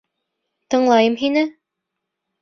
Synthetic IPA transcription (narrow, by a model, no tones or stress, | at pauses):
t̪ɤ̆ɴlˠɑjɤmɦinɘ